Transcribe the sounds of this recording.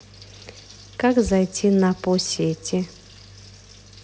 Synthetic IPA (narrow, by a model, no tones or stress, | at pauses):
kakzɐjtʲinaposʲetʲɪ